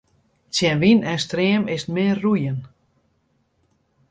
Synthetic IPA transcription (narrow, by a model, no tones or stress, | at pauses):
t͡sjɛnʋinɛstreəmɪstmɪːrːujən